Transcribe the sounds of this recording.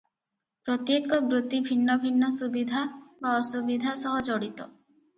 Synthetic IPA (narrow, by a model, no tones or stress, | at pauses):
pɾɔt̪jekɔbɾut̪ibʱinːɔbʱinːɔsubid̪ʱabaɔsubid̪ʱasɔɦɔd͡ʒɔɽit̪ɔ